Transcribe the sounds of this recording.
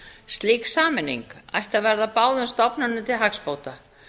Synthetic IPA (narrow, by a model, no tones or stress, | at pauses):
st̪liːksaːmɪnːḭŋka̰jht̪avɛɾðapaːwðʏnst̪ɔpnʏnːʏt̪ʰɪlɦakspoːwt̪a